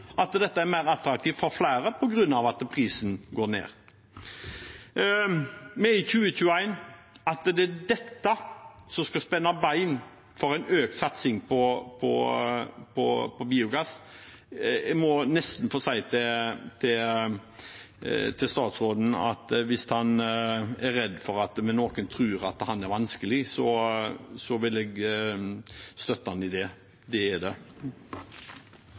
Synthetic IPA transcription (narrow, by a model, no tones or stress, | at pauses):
ʔɑt̪d̪ɛt̪ːəæɾmæɪɾɑt̪ɾɑk̚t̪ʰiːʋfɔɾflæɪɾəpʰɔɡɾʉnːɑʋɑt̪pʰʁiːsnɡoːɾnḛːɾ | mɛɪçʉːəçʉːəæɪn | ɑt̪d̪ɛd̪ɛt̪ːəsɔskɑspɛnːɑbæɪn | fɔɾæɪnøːk̪sɑt̪sɪŋpʰɔpʰɔ̰ | pʰɔ̰pʰɔbiːʊɡɑs | ɛɡmɔnɛst̪n̩foːsæɪt̪ʰɛt̪ʰɪ | t̪ʰɪlst̪ɑːt̪sɾoːd̪n̩ɑ̰t̪ʋɪshɑnæɾɛd̪ːfɔɾɑt̪mɛnoːkənt̪ʰɾʉːɾɑt̪hɑnæɾʋɑnskəlɪsɔ | sɔʋɪlɛɡ | st̪œt̪ːəhɑnɪd̪ɛ | d̪ɛːd̪ɛ